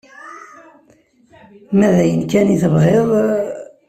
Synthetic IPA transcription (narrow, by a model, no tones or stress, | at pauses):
mæðæjənkæniθəbheðˤ